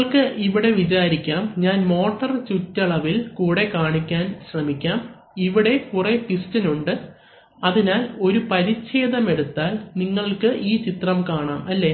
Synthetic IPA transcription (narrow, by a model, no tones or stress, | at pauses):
ɐɭkɨʔiʋiɽe̞ʋit͡ɕaːɾikʲːaːmɲaːnmo̞ːʈːɐrt͡ɕutːɐɭɐʋilkuːɽe̞kaːɳikʲːaːnɕrɐmikʲːaːm | iʋiɽe̞kure̞pistɐnuɳɖɨ | ɐðinaːlo̞ɾupɐɾit͡ɕːe̞ːðɐme̞ɽut̪ːaːlniŋːɐɭkɨʔiːt͡ɕit̪rɐmkaːɳaːmʔɐlːe